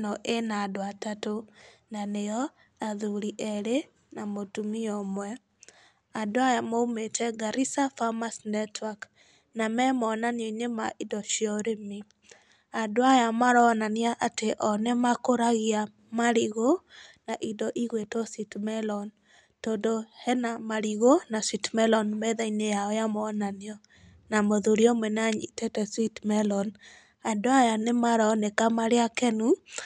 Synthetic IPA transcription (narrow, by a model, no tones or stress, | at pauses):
nɔʔenadoatatonanejɔ | aðuɾiʔɛɾe | namotumiɔmwɛ | adoajamoumetɛɡaɾisafamasnɛtwak | namɛmɔnanoɲemaʔidɔʃiɔɾemi | adoajamaɾɔnaniaʔateʔɔnɛmakoɾaɣia | maɾiɣonaʔidɔʔiɣwetɔsitmɛlɔn | todohɛnamaɾiɣonaswitmɛlɔnmɛðɛinejaɔjamɔnanjɔ | namoðuɾjɔmɛnaɲḭtɛtɛswitmɛlɔn | adwajanemaɾɔnekamaɾjakɛnu